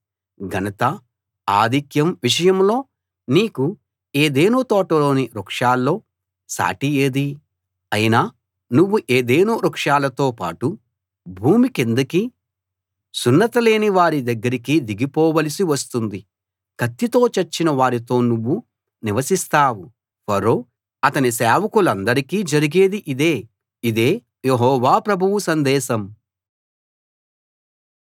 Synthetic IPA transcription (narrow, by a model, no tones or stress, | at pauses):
ɡʱɐnɐt̪ɐ | aːd̪ikjɐmʋiʂ̬ɐjɐmlo̞ː | niːku | e̞ːd̪e̞ːnuːt̪ɔːʈɐlo̞ːniɾukʂaːlːo̞ː | sa̰ːʈijeːd̪i | ɐjinaː | nuʋːuʔe̞ːd̪eːnuːɾɐkʂaːlɐt̪o̞ːpa̰ːʈu | bʱuːmikend̪ɐki | sunːɐt̪ɐle̞ːniʋaːɾid̪ɐɡːɐɾikid̪iɡipɔːʋɐlisiʋɐst̪und̪i | kɐt̪ːit̪o̞ːt͡ʃɐɾt͡ʃːinɐʋaːɾit̪o̞ːnuʋːu | niʋɐsist̪aːwu | pɐɾo̞ː | ɐt̪ɐnisɛːʋɐkulɐnd̪ɐɾikiːd͡ʒɐɾiɡeːd̪iʔid̪e̞ː | id̪e̞ː | jeɦɔːʋaːpɾɐbʱuʋusɐnd̪ɛːʃɐm